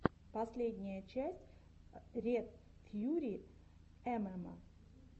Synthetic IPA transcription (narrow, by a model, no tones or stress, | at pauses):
pɐsʲlʲedʲnʲɪjət͡ɕæsʲtʲ | ɾʲet̪fʲjuɾʲi | ɛmɛmə̰